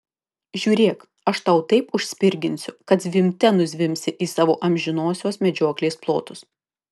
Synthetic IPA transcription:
ʒʲuːɾʲeːk | ɐʃt̪ɐʊt̪ɐɪpʊʃʲsʲpʲɪɾʲɡʲɪnʲsʲʊkɐt̪zʲʋʲɪmʲt̪ʲɛnʊzʲʋʲɪmʲsʲɪʔiːsɑːʋo̰ːʔɐmʲʒʲɪnoːsʲoːsmʲɛd͡ʒʲoɔklʲeːsplˠoːt̪ʊs

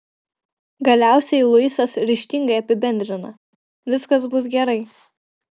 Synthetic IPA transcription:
ɡɐlʲæˑʊsʲɛɪlˠʊɪsɐsɾʲɪʃʲt̪ʲɪŋɡɐɪɐpʲɪbʲɛnʲd̪ʲɾʲɪnɐ | ʋʲɪskɐsbʊs̬ɡʲɛɾɐɪ

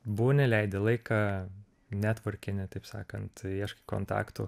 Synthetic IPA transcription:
buʋonʲɛlʲɛɪd̪ʲɛlˠɐɪkɑː | nʲæt̪ʋɐɾʲkʲɪnʲɪt̪ɐɪpsɑ̰ːkɐnt̪iɛʃkɐ̥koːnt̪ɑ̰ːkt̪u

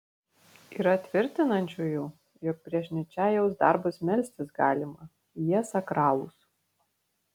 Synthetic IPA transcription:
iːɾɐt̪ʲʋʲɪɾʲt̪ʲɪnɐnʲt͡ʃʲujuː | jɔk̚pʲɾʲiɛʃʲnʲɛt͡ʃʲæːjɛʊsd̪ɑˑɾbʊsmʲɛlʲsʲt̪ʲɪsɡɑːlʲɪmɐ | jiɛsɐkɾɑːlˠṵs

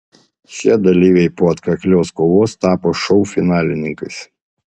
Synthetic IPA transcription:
ʃʲiɛd̪ɐlʲiːʋʲɛɪpoːɐt̪kɐkʲlʲoːskoːʋoːst̪ɑːpoːʃɔʊfʲɪnɑːlʲɪnʲɪŋkɐɪs

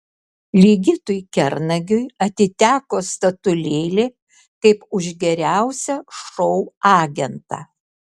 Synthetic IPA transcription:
lʲiːɡʲɪt̪ʊjkʲɛɾnɐɡʲʊjɐt̪ʲɪt̪ʲæːkoːst̪ɐt̪ʊlʲeːlʲeː | kɐɪpʊʒʲɡʲɛɾʲæˑʊsʲɛʃɔʊɑːɡʲɛnt̪ɑ̰ː

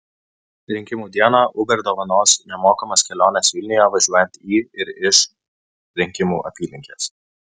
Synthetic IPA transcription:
ɾʲɪŋʲkʲɪmuːd̪ʲiɛnɑʔʊbʲɛɾd̪oːʋɐnoːsnʲɛmoːkɐmɐskʲɛlʲoːnʲɛsʋʲɪlʲnʲɪjɛːʋɐʒʲuɔjɛnt̪iːɪɾɪʃ | ɾʲɪŋʲkʲɪmuːʔɐ̰pʲiːlʲɪŋʲkʲeːs

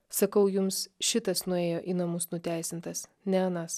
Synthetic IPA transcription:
sɐkɐʊjʊmsʃʲɪt̪ɐsnʊeːjoːʔinɐmʊsnʊt̪ʲæˑɪsʲɪnt̪ɐs | nʲɛɐnɐs

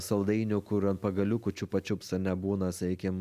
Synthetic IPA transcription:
sɐlˠd̪ɐɪnʲʊkʊɾɐnpɐɡɐlʲukʊt͡ʃʲupɐt͡ʃʲʊpsɐnʲɛbuːnɐsʲɛɪkʲɪm

